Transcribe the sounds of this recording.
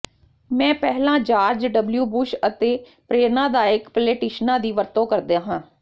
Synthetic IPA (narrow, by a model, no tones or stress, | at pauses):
mɛ̃ːpɛɦlãːd͡ʒaːɾd͡ʒɖəbljuːbʊʃət̪eː | pɾeːɾnãːd̪aːɪkpəleːʈiːʃnãːd̪iːʋəɾt̪õːkəɾd̪eãːɦãː